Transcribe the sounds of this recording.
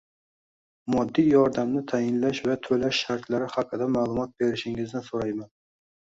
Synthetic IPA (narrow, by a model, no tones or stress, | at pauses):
mɒd̪ːijjɒɾd̪amnɪt̪ʰajɪnlaʃvat̪ʰɵlaʃːaɾt̪ʰlaɾɪhaqʰːɨd̪amaːlˠʊmɒt̪̚be̞ɾɪʃɪŋɪznɪsoɾajman